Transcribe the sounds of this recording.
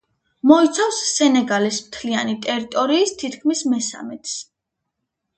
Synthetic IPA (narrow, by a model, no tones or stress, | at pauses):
mɔit̪sʰafsːɛnɛɡalismt̪ʰlianit̪ʼɛɾit̪ʼɔɾiːst̪ʰit̪ʰkʰmismɛsa̰mɛt̪ʰs